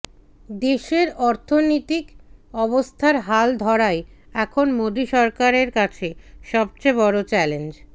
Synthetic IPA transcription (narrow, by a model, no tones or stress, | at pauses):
d̪eʃeɾɔɾt̪ʰonit̪ikɔβost̪ʰaɾɦald̪ʱɔɾae | ɛkʰonmod̪iʃɔɾkaɾeɾkat͡ɕʰeʃɔb̚t͡ɕebɔɾot͡ɕɛlend͡ʑ